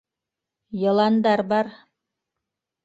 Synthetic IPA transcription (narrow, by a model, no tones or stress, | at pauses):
jɤ̆lˠɑnd̪ɑɾbɑɾ